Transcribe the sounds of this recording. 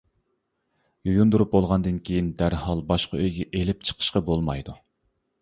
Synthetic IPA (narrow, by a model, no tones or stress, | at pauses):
jujund̪uɾup̚bolˠʁɑnd̪ɨnkʲʰejind̪æɾhɑlˠbɑʃqɑøjɡʲɛʔelɪp̚t͡ʃʰə̥qʰə̥ʃqɑbolˠmɑjd̪u